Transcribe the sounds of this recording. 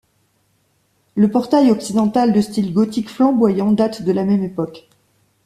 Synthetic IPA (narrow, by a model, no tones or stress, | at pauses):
ləpɔʁt̪ajɔksid̪ɑ̃t̪ald̪əst̪ilɡɔt̪ikflɑ̃bwajɑ̃d̪at̪d̪əlamɛmepɔk